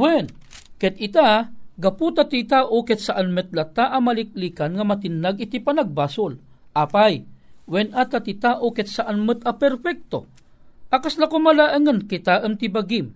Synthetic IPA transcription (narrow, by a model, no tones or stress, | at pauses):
wɛnkɛt̪̚ɪt̪aɡɐput̪at̪it̪aʔokɛt̪̚saʔanmɛt̪̚lat̪aʔamalɪk̚liːkanŋamat̪ɪndaɡit̪ipanaɡ̚basʊl | ʔapajwɛnʔat̪at̪it̪aʔokɛt̪̚saʔanmət̪apɛɾfɛk̚t̪o | ʔakaslakomalaʔəŋənkit̪aʔəmt̪ibaɡim